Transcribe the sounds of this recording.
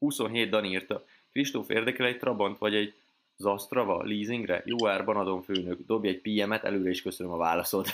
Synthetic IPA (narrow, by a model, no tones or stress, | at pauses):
huso̞nɦeːd̪̚d̪ɒniːrt̪ɒ | kriʃt̪ofḛːrd̪ɛkɾɛɛc̚t̪rɒbont̪ʋɒɟɛɟ | zɒst̪rɒvɒ̰liːziŋɡrɛ̰joːɛrbɒnɒd̪o̞ɱføːnøɡd̪o̞bjɛcpiːɛmɛt̪ɛ̰løːɾɛiʃkø̞sønømɒvaːlɒso̞t̪